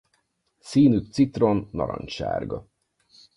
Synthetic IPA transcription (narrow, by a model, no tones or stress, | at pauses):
siːnytt̪sit̪ro̞nːɒɾɒ̰ɲʃa̰ːrɡɒ